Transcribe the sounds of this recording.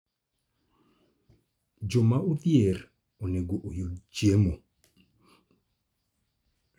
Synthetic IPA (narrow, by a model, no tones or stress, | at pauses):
d͡ʒomauðjer | oneɡoʔojot͡ʃjemo